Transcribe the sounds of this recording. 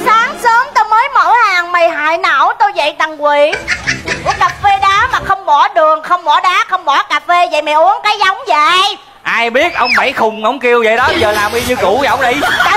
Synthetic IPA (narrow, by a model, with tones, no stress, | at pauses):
saː˨˦ŋsəː˨˦əŋt̪o˧jməː˨˦jmo̰˧˩˦haː˨˩ŋma˨˩jɦa̰ː˧˨jnə̰˧˩˨wt̪o˧jzə̰˧˨jt̪a˨˩ŋkwi˨˦˧ | ka˨˩p̚ve˧ɗaː˨˦maː˨˩xə˧wŋ͡mɓɔ˧˩˦ɗɨ˨˩əŋxə˧wŋ͡mɓɔ˧˩˦ɗaː˨˦˥xə˧wŋ͡mɓɔ˧˩˦kaː˨˧˩p̚ve˧və̰˧˨jma˨˩jʔu˨˦ənkaː˨˦jza˨˦wŋ͡mzə̰˧˨j | ʔaː˧jɓi˦˥ət̚ʔə˧wŋ͡mma˧˩˦jxʊ˨˩ŋ͡mŋɔ˨˦wŋ͡mki˧əwzə̰˧˨jɗɔ˨˦zəː˨˩laː˨˩mʔi˧ɲɨ˧ku˧˩˦wŋ͡mɗi˧ja˧˦